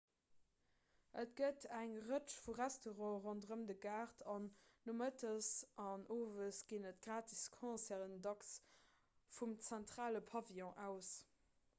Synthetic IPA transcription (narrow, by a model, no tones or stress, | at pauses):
ʔətɡ̥ətʰæŋʁət͡ʃfuʁæstoʁɑ̃ːʁɔndəʁəmdəɡaːʁtʰɑnːomətəsʔɑnʔoːvəsɡ̥iːnətɡ̥ʁaːtʰiskʰɔ̃ːsæːʁəndɑks | fumt͡sæntχaːləpʰɑviɔ̃ʔæʊs